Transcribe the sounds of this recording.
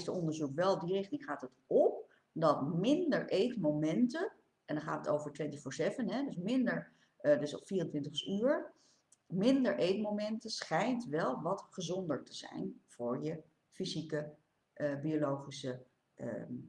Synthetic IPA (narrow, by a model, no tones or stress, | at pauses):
stəɔndəɹzukʋɛlˠdirɪχtɪŋχaːtətɔp̚ | dɑtmɪndəɹʔejtmomɛntə | ɛndɑχaːtəto̰wvəɹtʋɪntəχfʊːɹzejvənɦɛdɵsmɪndəɹ | dsɔ̰fiːrəntʋɪntəχyːɹ | mɪndəɹʔejtmomɛntəsχɛjntʋɛlˠʋɑtχəzɔndəɹtəz̥ɛ̰jnv̥ʊːɹjə | fizikə | ʔbiolowχisə | ə̰